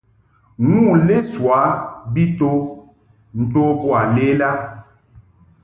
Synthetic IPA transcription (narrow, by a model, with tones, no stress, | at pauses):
ŋu˦˨le˦swa˨˦bi˦to˦ | n̩˨to˦pwa˨le˦la˦